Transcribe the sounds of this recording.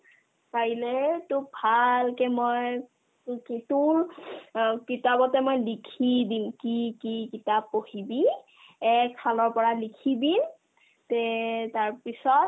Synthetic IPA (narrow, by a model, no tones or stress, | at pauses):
kaɹilɛtubʱalkɛmɔj | kitul | kitabɔtɛmojlikʰidimkikikitab̚ohibi | ɛksalɔɹpɔɹalikʰibin | tɛtaɹpisɔt̚